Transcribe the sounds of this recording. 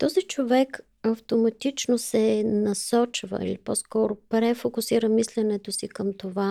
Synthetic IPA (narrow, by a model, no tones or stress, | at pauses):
t̪ɔzit͡ʃovɛk | ɐft̪omɐt̪it͡ʃnosɛnɐsɔt͡ʃvə̰ḭlipɔskɔɾopɾɛfokʊsiɾəmislɛnɛt̪osikəmt̪ova